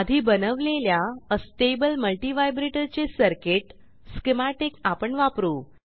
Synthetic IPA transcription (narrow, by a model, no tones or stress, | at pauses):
ad̪ʱiːbənəʋleljaəsʈebəlməlʈiʋajbɾeʈəɾt͡sesəɾkeʈ | skimaʈekapəɳʋapɾuː